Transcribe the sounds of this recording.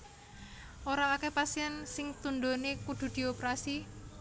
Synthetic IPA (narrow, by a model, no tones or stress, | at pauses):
oɾaːkepasiɛnsɪŋt̪und̪onekud̪̥ṳd̪̥i̤opeɾasi